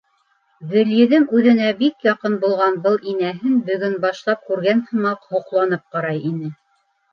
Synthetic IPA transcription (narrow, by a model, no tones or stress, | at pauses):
ðɘ̆ljɘ̆ðɘŋʉðɘ̆næbikjɑqɤnbulˠʁɑnbɤlˠinæɦɘnbɵ̆ɡɵnbɑʃlˠɑp̚kʉɾɡænhɤ̆mɑqhŏqlˠɑnɤp̚qɑɾɑjinɘ